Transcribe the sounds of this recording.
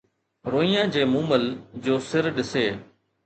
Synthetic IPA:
ɾoːijãːd͡ʒeːmũːməld͡ʒoːsɪɾɗɪseː

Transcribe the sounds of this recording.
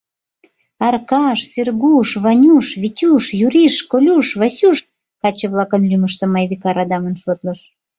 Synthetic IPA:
ɑrkɑʃserɡuʃβɑnʲuʃβitʲuʃjuɾiʃkolʲuʃβɑsʲuʃ | kɑt͡ɕəβlɑkənlyməʃt̪ə̆mɑjβikɑɾɑd̪ɑmənʃot̪lə̆ʃ

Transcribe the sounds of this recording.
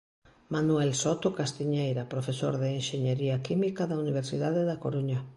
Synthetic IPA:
manuɛlsot̪okast̪iɲejɾapɾofeso̰ɾðeːnʃeɲeɾiakimikaðauniβ̞eɾsiðaðeðako̰ɾuɲa

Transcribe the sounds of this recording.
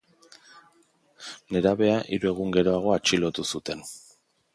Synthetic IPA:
ne̞ɾaβe̞aʔiɾue̞ɣ̞uŋɡe̞ɾo̞aɣ̞o̞at͡ʃilo̞t̪usut̪e̞n

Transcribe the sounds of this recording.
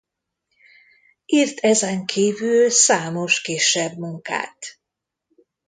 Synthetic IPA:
iːrt̪ʰɛzɛŋkʰiːvyllsaːmo̞ʃkiːʃːɛbmuŋka̰ːt̪

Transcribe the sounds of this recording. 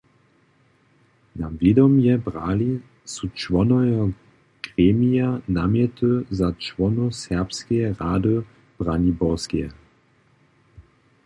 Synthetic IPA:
navid̪ɔmjɛbʁaːli | sut͡ʃvɔnɔjɔ | ɡ̥ʁeːmijanamjɛt̪əzat͡ʃʋɔnusɛʁpskɛjɛʁaːdə | b̥ʁanibɔʁskijɛ

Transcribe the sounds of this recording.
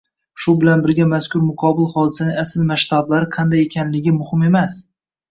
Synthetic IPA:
ʃʊbɪlanbɪɾɡʲamaskʰʲʊɾmʊqʰɒbɪlˠχɒd̪ɪsanɪŋasɪlmaʃt̪ʰablaɾɪqʰɑnd̪ajekʲʰanlɪɡʲɪmʊhɪme̞mas

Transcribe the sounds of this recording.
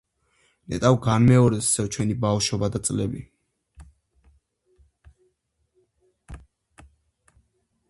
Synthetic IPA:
nɛ̰t̪ʼawɡanmɛɔɾɛsi̥sɛt͡ʃʰwɛnibafʃɔbad̪at̪sʼlɛbi

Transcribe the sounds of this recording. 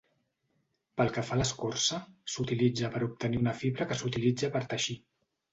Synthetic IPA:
pəlˠkəfaləskorsəsut̪ilid͡zəpəɾup̚t̪əniunəfiβɾəkəsut̪ilid͡zəpəɾt̪əʃi

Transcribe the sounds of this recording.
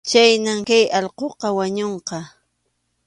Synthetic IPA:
t͡ʃajnamkajɑlqoqɑwaɲoɴqɑ

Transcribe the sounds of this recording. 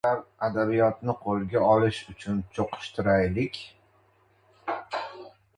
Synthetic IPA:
aɾad̪abijɒt̪nɪqʰolˠɡʲaɒlɪʃʊt͡ʃʰʊnt͡ʃʰoqʰɨ̥ʃt̪ʰɪɾajlɪkʲ

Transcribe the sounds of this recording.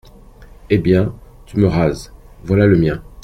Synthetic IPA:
ebjɛ̃ | t̪yməʁaz | vwalaləmjɛ̃

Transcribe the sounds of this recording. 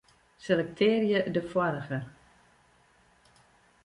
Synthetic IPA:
selɛk̚tʰɪːrjədəfwɔɾəɣə

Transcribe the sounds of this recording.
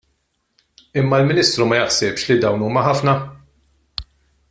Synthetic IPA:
ɪmːɐlmɪniːst̪ɾumɐjɐħsɛpʃlid̪ɐwnuːmɐħɐfnɐ

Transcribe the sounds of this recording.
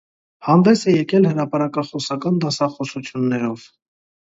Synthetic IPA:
hɑnd̪ɛsɛjɛkɛlhəɾɑpɑɾɑkɑχɔsɑkɑnd̪ɑsɑχɔsut͡sʰjunːɛɾɔv

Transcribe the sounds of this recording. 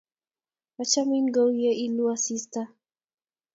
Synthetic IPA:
wat͡ʃaminɡɔwjɛʔiluasista

